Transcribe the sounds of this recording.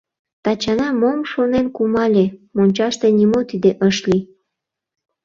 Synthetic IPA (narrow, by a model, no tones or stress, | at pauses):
t̪ɑt͡ɕɑnɑmomʃonenkumɑlʲemonʲt͡ɕɑʃt̪enʲimot̪id̪eʔəʃlʲi